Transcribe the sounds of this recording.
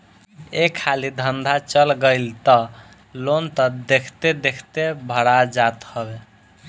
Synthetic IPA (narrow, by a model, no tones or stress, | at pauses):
ekʰːalid̪ʱənd̪ʱat͡ʃəlɡəɪlt̪ə | lont̪əd̪ekʰt̪ed̪ekʰt̪ebʱəɽad͡ʒat̪həbe